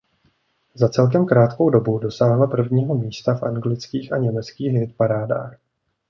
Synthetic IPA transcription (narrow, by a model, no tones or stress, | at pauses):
zat͡sɛlk̬ɛmkɾaːt̪ko̞wdo̞budo̞saːɦlapr̩vɲiːɦo̞miːst̪afʔaŋɡlɪt͡skiːxʔaɲɛmɛt͡skiːxɦɪt̪̚paɾaːda̰ːx